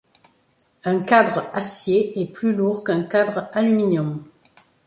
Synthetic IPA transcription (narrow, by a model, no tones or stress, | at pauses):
ɛ̃kad̪ʁasjeɛplyluʁkɛ̃kad̪ʁalyminjɔm